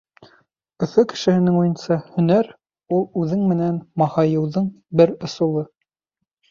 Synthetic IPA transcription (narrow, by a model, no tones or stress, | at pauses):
ɵ̆fɵkɘ̥̆ʃɘ̆hɘ̆nɘŋujɤ̆nsɑhɵ̆næɾ | ulˠʉðɘŋmɘ̆nænmɑhɑjɤ̆wðɤɴ | bɘɾŏsŭlˠɤ